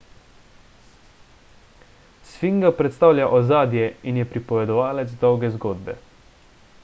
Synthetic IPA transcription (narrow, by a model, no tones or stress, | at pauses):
sfiŋɡapɾɛt̪st̪aːwlʲjaʔɔzaːd̪jɛinjɛpɾipɔʋɛd̪ɔʋaːlɛd̪zd̪ɔwɡɛzɡoːd̪bɛ̰